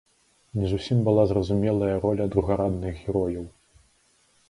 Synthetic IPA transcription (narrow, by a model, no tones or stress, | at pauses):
nʲɛzusʲimbɨlˠazrɐzumʲɛlˠɐjɐɾɔlʲɐd̪ɾuɣaɾad̪nɨɣɣʲɛɾɔjɐw